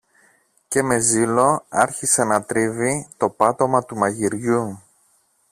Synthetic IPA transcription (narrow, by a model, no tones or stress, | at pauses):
ce̞me̞zilo̞ɐɾçisenɐt̪ɾivit̪o̞pɐt̪o̞mɐt̪umɐʝiɾʝu